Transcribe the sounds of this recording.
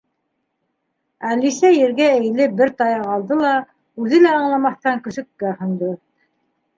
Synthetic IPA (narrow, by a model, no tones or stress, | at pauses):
ælisæjɘ̆ɾɡææ̆jlɘbɘɾt̪ɑjɑʁɑlˠd̪ɤlˠɑ | ʉðɘlæɑɴlˠɑmɑθt̪ɑŋkɵ̆ʃɵ̆kːæhɤ̆nd̪o